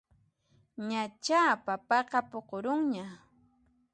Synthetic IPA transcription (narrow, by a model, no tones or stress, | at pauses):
ɲat͡ʃapapɑqɑpoqoɾʊŋɲa